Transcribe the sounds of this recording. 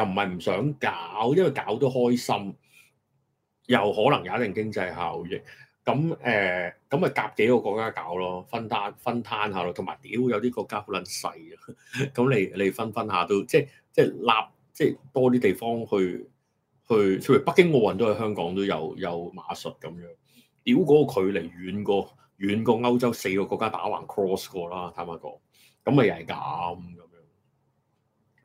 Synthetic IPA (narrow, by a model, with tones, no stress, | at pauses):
jɐ˨˩m̩˨˩hɐ˨jm̩˨˩sœː˨˥ŋkaː˨˥wjɐ˥nwɐ˨jkaː˨˥wt̪o˥whɔː˥jsɐ˥m | jɐ˨whɔː˨˥lɐ˨˩ŋjaː˨˥t̪ɪ˨˩ŋkɪ˥ŋt͡sɐ˧jɦaː˨˩wjɪ˨k̚kɐ˨˥mʔɛː˨kɐ˨˥mhɐ˨˩jkaː˧p̚ke˨˥jkɔː˧kɔː˧kːaː˥ka̰ː˨˥wlɔː˥fɐ˥nt̪ʰaː˥nfɐ˥nt̪ʰaː˥nhaː˨˧lɔː˥t̪ʰma̰ː˨˩jt̪iː˨˥wjɐ˨˧wt̪iː˥kɔː˧kːaː˥ho˨˥wlɐ˨˦nsɐ̰˧j | kɐ˨˦mle˨˧jle˨˧jfɐ˥nfɐ˥nhaː˨˧t̪o˥wt͡sɛː˥˧˩ | t͡sɛː˥˩laː˧p̚ | t͡sɛː˥˩jt̪ɔː˥t̪̬iː˥t̪e˨˩jfɔː˥ŋhɵ˧ɥ | hɵ˧ɥt͡sʰɵ˥˧˥pɐ˥k̚kːɪ˥ŋkɔː˧wɐ˨˩nt̪o˥whɐ˧˥jhɦœː˥ŋkɔː˨˥ŋt̪o˥wjɐ̰˨˧wjɐ˨˧wma̰ː˨˧sɵ˨t̚kɐ˨˥mjœː˨˧˥ŋ | t̪i˨˥wkʷɔː˨˥kʰɵ˨˧ɥle˨˩jɥyː˨˧nkɔː˧ | jyː˨˧nkɔː˧ŋɐ˥wt͡sɐ˥wse˧jkɔː˧kɔː˧kːaː˥t̪a̰ː˨˥wa̰ː˨˩nkʰɹɔː˥skɔː˧laː˥t̪ʰaː˨˥maː˧˩kɔ̰ː˨˥ŋ | kɐ˨˥mhɐ˨jhɐ˨˩kɐ̰˨˥mkɐ˨˧mjœː˧˥ŋ